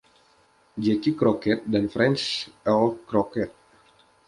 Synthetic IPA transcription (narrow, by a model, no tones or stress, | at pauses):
d͡ʒɛkikɾokɛt̪̚danfɾɛnt͡ʃɛlkɾɔkɛt̪̚